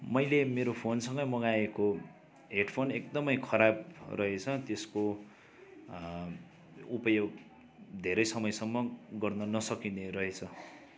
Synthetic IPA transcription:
mʌjlemeɾopʰonsʌ̃ŋɡʌjmʌɡaeko | ɦeɖpʰonekd̪ʌmʌjkʰʌɾab̚rʔʌɦet͡sʰʌt̪esko | upʌjoɡ | d̪ʱeɾʌjsʌmʌjsʌmːʌɡʌrnʌnʌsʌkineɾʌɦet͡sʰʌ

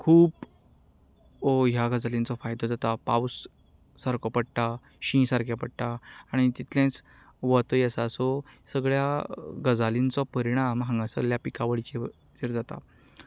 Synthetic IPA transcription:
kʰuːb | oɦjaɡəd͡zalĩnt͡sɔfajd̪ɔd͡zat̪apawsː | aɾkɔpəɽʈ̪a | ɕĩsaɾkjapəɽʈ̪aːɽ̃it̪it̪ʰlãt͡s | ʋət̪əjəsasɔ | səɡɭjaɡəd͡zalint͡sɔpəɾiɽ̃amɦãŋɡãsəɡɭjapikaʋəɭit͡ɕe | t͡ɕeɾd͡zat̪a̰

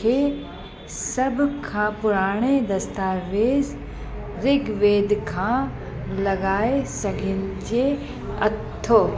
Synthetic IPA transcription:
eː | sɐbʱkʰãːpʊɾaːɽ̃ed̪ɐst̪aːʋeːz | ɾɪɡʋeːd̪ʱkʰã | lɐɡaːesɐɡʱɪnɪ̆d͡ʑe | ɐ̰t̪ʰːoː

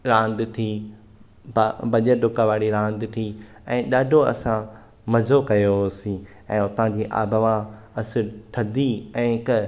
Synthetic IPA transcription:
ɾãːnd̪t̪ʰiː | babɐʄəɖʊkaʋaːɽiɾãːnd̪t̪ʰiː | ɛ̃ːɗaːɖʱoɐsã | mɐzʱokɐjosĩ | ɛ̃ːʊt̪ãd͡ʑiːʔa̰ːbəʋã | ɐsɪɾʈ̪ʰɐd̪ʱiɛ̃ːk

